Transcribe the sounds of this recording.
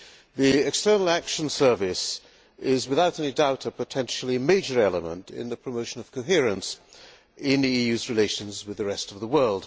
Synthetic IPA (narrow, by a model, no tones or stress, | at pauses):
ðiɪkstɜ˞nl̩ˠækʃə̃n̩sɜ˞vɪs | ɪzwɨðaʊɾɛnidaʊɾəpɨtʰɛ̃nʃl̩ˠimeɪd͡ʒə˞ɛlˠəmə̰̃ntɪ̰̃nðɨpʰɹ̥əmoʊʃə̃nʌv̥kʰoʊɦɪɹɨ̃ns | ɪ̃nðiijʉzɹɨleɪʃɨ̃nzwɨðɨɹɛstʌvðəwɜ˞lˠd̥